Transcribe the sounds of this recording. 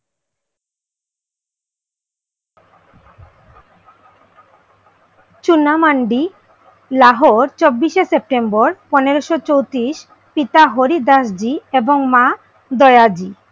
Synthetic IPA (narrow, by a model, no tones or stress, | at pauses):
t͡ɕunamaɳɖi | laɦoɾt͡ɕobːiʃesep̚ʈemboɾpɔneɾoʃot͡ɕowt̪ɾiʃ | pit̪aɦoɾid̪aʃd͡ʑieboŋma | d̪ɔead͡ʑi